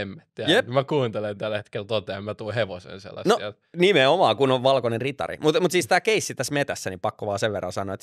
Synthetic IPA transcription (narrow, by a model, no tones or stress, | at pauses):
emːæt̪ːijepmækuːnt̪elent̪ælhet̪kelt̪ot̪eemmæt̪uːheʋosḛnsḛlːɑ̰snnoiel | nimeomɑːkunoʋʋɑlkonenrit̪ɑ̰rḭmut̪mut̪siːst̪æːkeisːit̪æsmet̪æsːænipɑkːoʋɑːseʋʋerːɑnsɑno̰ːet̪